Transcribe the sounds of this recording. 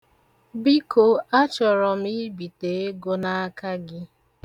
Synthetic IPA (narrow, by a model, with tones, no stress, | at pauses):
bi˦ko˨a˦t͡ʃɔ˨ɾɔ˨m̩˦i˦bi˨te˨˦e˦ɡo˦na˦a˦ka˦ɡɪ˦